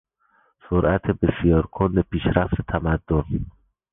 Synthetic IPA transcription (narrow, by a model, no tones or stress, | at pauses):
soɾæt̪ʰebesijɒːɾkʰond̪epʰiːʃɾæft̪ʰet̪ʰæmæd̪ːon